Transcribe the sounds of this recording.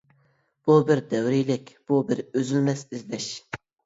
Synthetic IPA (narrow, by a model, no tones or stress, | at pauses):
b̥ubɪɾd̪ɛwɾijlɪkʲb̥ubɪɾøzylmɛsizlɛʃ